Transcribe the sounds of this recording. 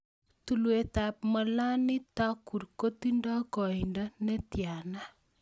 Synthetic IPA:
tu˨lweta˨p̚mɔ˨la˦ni˦ta˦ku˨ɾko˦tindɔ˦kɔ˨inda˦ne˦tja˨na˦

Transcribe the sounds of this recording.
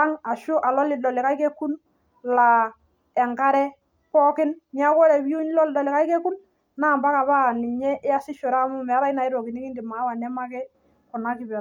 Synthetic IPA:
a˦ŋa˨ʃʊ˦ʔa˨lɔ˦lɪ˨dɔ˨lɪ˨ka˦i˦kɛ˦ku˦n | la˨ | ɛ˨ŋka˦ɾɛ˦ | pɔ˦kɪ˦nmi˦a˦kɔ˦ɾɛ˨bi˦u˦n˦lɔ˦ldɔ˨lɪ˨ka˦i˦kɛ˦ku˦n | na˦˨mba˦ka˨βa˦˨ni˨ɲɛ˦ʔɪ˦a˦sɪ˦ʃɔ˨ɾa˦mʊ˦mɛ˨a˦ɾa˦i˦na˨ɪ˦ɾɔ˨ki˨ni˦kɪ˦ndɪ˨ma˨˦wa˨nɛ˦ma˦kɛ˦ | kɔ˨na˦kɪ˨bɛ˨

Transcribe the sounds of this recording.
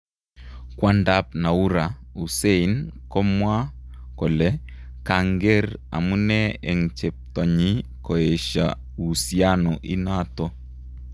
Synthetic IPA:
kwa˦nda˦p̚na˨u˦ɾa˨u˨se˦inkɔ˦mwa˦kɔ˨lɛ˦ka˨ŋɡe˦ɾa̰˨mu˦nɛ˦e˨ŋt͡ʃe˨p̚tɔ˨ɲi˦kɔ˨e˨ʃa̰˨ | u˨sia˦nɔ˨ʔi˦na˦tɔ˦

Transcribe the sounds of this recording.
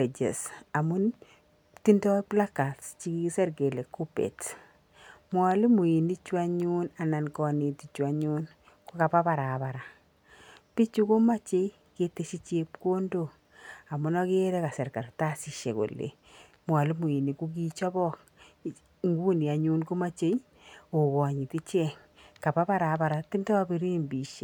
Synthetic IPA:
e˨d͡ʒḛ˨sa˨mʊ˦n | ti˦ndɔ˦pla˦ka˨tst͡ʃi˦ki˦i˦sɛ˦ɾɡe˨le˨kːu˦pḛ˨t | mwa˨li˦mu˨i˨ni˦t͡ʃwa˦ɲu˦na˨na˨nkɔ˦ni˨ti˨t͡ʃwa˨ɲu˦n | ku˦ka˨pa˦pa˨ɾapa˨ɾa˨ | pi˦t͡ʃu˦kʊ˦ma˦t͡ʃe˦ | ke˨te˦ʃi˦t͡ʃe˦pko˦ndo˦˨ | a˨mʊ˦nɔ˦ke˦ɾɛ˦ka˨sɛ˨ɾka˨ɾta˦si˨ʃḛ˨ko̰˨lḛ˨ | mwa˨li˦mu˨i˨ni˨ku˦k̬i˦t͡ʃɔ˦bɔ˦k̚ | ŋɡu˦ni˨a˨ɲu˦nko˦ma˦t͡ʃe˦j | o˨kɔ˨ɲi˨ti˦t͡ʃɛ˦ŋ | ka˨pa˦pa˦ɾa˨ba˨ɾa˨ti˦ndɔ˦a˦bi˦ɾiː˦mbi˨ʃe˨

